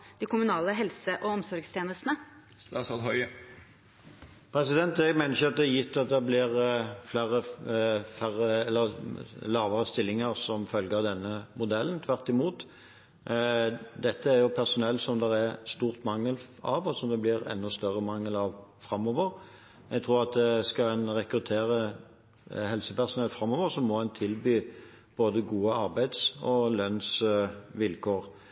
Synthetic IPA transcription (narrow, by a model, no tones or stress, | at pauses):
d̪̥ɪkʰʊmʉnɑːləɦɛlsəʔɔɔmsɔɾɡst̪ʰeːnəst̪nəsɑsɔd̪ɦɔʏ | pʰɾɛsɪd̪ɛnt̪ɛɡmæɪnəɾɪçʊɑt̪̚d̪ɛjɪt̪ʰːɑt̪̚d̪ɛblɪʁflæːɾə | fæʁəɛlːəʁlɑːʋəʁəst̪ɪlːɪŋəɾsɔmfœlɡəʁd̪ɛnːəmʊd̪ɛlːənt̪ʰʋæʁt̪ɪmuːt̪ | d̪ɛt̪ʰːəæɾjʊpʰæʁsʊnɛlsɔmd̪ɛɾæst̪uːʁt̪mɑŋːəlɑʋɔsɔmd̪ɛblɪɾɛ̰nːʊst̪œʁəmɑŋːəlɑʋfɾɑmːɔʋəɾ | ɛɡ̚t̪ʰʁuːɾʁɑt̪̚d̪ɛskɑɛnɾɛkɾʉt̪ʰeːɾə | hɛlsəpæʁsʊnɛlfɾɑmɔːʋəɾsɔmːɔɛnt̪ʰɪlbyː | b̥oːd̪əɡuːəɑɾbæɪd̪sɔlœnsʋɪlkʰoːʁ